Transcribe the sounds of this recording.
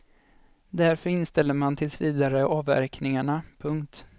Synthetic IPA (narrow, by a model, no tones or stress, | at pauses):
d̪æɾfœɾɪnst̪ɛlːəɾmant̪ʰɪlsviːd̪aɾəʔɑːvæ̰ɾknɪŋaɳapʰɵŋkt̪